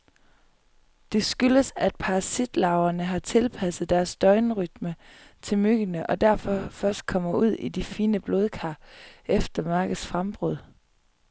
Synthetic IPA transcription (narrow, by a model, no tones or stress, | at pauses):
d̥e̝sɡ̥yləsæd̥̚pʰɑ̈ʁɑsid̥lɑ̈ʊɐnəɦɑ̈t͡sʰe̝lpʰæsð̩ˠd̥æɐsd̥ɒ̽ɪnəʁyd̥mət͡sʰe̝lmyɡ̥ənəʔɒ̽d̥æɐ̰fɒ̽fɶɐsd̥̚kʰɒ̽m̰ɐuð̞̰ˠid̥ifiːnəb̥lo̝ːð̞ˠkʰɑ̰̈ːefd̥ɐmɑ̈ːɡ̥ð̩ˠsfʁamb̥ʁɔð̰ˠ